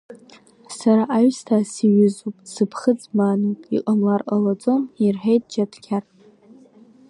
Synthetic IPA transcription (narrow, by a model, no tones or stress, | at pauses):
saɾaʔːɥstʰaːsiɥʏzupʼsɨpʰχəd͡zmanopʼiqʼamlarqʼalad͡zʼo̞mirħejtʼd͡ʒatʰkʲʰar